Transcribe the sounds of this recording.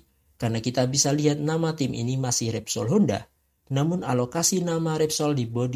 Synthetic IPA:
karnakit̪abisaliɦat̪̚namat̪ɪmʔḭnimasɪhrɛp̚sɔlɦonda̰ | namʊnalokasinamaɾɛp̚sɔldibodi

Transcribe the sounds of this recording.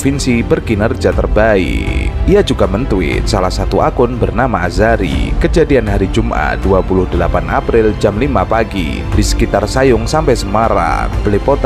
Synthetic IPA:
finsibərɡinərd͡ʒat̪ərbaḭiad͡ʒuɡamənt̪uɪ̰t̪̚salahsat̪uʔakʊnbərnamaazaɾḭkəd͡ʒadianɦaɾid͡ʒumʔa̰duapulʊhdəlapanʔapɾɪld͡ʒamlimapaɡḭ | disə̥kit̪arsajʊŋsampajsəmaɾa̰b̥əlepot̪

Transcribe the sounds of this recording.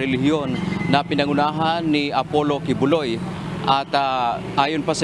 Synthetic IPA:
ɪlɪɦjonːɐpɪnɐŋʊnaːɦanːiɐpolokɪbʊloj | ʔat̪ʔaːjʊnpas

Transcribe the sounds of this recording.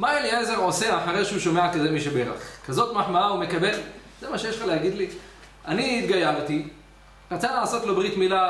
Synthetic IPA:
mailieze̞ʁo̞seaħaʁeʃeuʃo̞meʕakazemiʃebeʁa̰χkazo̞t̪maħmaaume̞kabe̞lz̥emaʃejeʃlχalehaɡid̪li | aniit̪ɡajaʁt̪i | ʁat͡salaʕaso̞t̪lo̞bʁit̪mila

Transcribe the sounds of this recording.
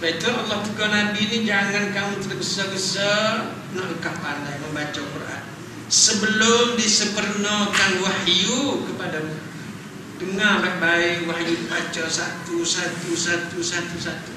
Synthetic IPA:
bait̪ualːaht̪əkɔnabinid͡ʒaŋankamut̪əɾəɡəsɔɡəsɔ | naʔəkapalajməmbat͡ʃɔkərʔa̰t̪̚ | səbəlʊmdisəpərnɔkanwahjukəpadamu | dəŋarlahbaɪʔwahjuibat͡ʃɔsat̪usat̪usat̪usat̪usat̪u̥

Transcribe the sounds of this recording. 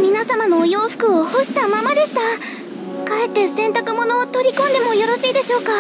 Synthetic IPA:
mʲinasamano̞jo̞ːɸɯ̟̥kɯ̟oho̞ɕi̥t̪amamad̪e̞ɕi̥t̪a | kae̞t̪ːe̞sẽ̞nt̪akɯ̟mo̞no̞ːt̪o̞ɾʲikõ̞nd̪e̞mo̞jo̞ɾo̞ɕiːd̪e̞ɕo̞ːka

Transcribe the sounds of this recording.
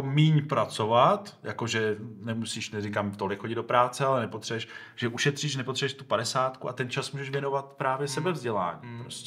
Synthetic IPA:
miɲpɾat͡so̞vat̪jako̞ʒɛnɛmusiːʃnɛrɪkamt̪o̞lɪkxoɟɪd̪do̞pɾaːtt͡sɛalɛnɛpot̪r̝̥ɛɛʃ | ʒ̥ɛʔuʃɛt̪r̝̥iːʃnɛpot̪r̥ɛɛʃt̪upadɛsaːt̪kua̰t̪ɛnt͡ʃasmuːʒɛʃvjɛno̞vat̪̚pɾaːvjɛsɛbɛvzɟɛla̰ːɲiːpɾosc

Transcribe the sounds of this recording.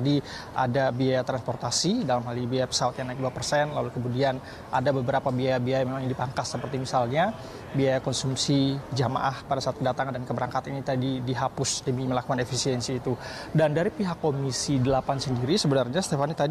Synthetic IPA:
di | ʔa̰dabiajat̪ɾanspɔrt̪asidalamɦalinbiajapə̥sawat̪̚ɲaŋnaɪk̚duapərsɛnlalukəmudian | ʔa̰dabəbəɾapabiajabiajamemaŋɲidipaŋkasːəpərt̪imisalɲa | biajakɔnsumsid͡ʒama̰ʔahpadasaːt̪̚kədat̪aŋandankəbəɾaŋkat̪init̪adidiɦapʊsdəmiməlakukanefisiɛnsiːt̪u | dandaɾipiɦakːomisidəlapansəndiɾisəbənarɲast̪efanit̪ad

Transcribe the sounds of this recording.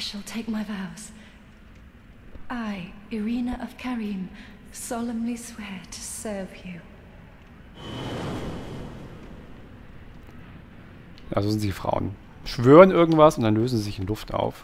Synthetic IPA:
ʃəlˠtʰeɪk̚maɪvaʊz̥ | ʔaɪəɹĩnəʔʌv̥kʰɛɹĩm | sɑlˠə̃mliswɛɹtʰə̥sɜ˞vjʉ | jaːzoːzɪntd̥ifʁ̥a̰ʊə̰n | ʃv̥øːʁənʔɪɐɡŋ̩tv̥asʊntd̥anløːzn̩zizɪçɪnlʊfta̰ʊf

